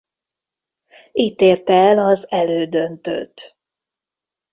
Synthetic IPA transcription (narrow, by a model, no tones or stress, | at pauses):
iːt̪eːrt̪ɛɛlɒzɛløːd̪ønt̪ø̰t̪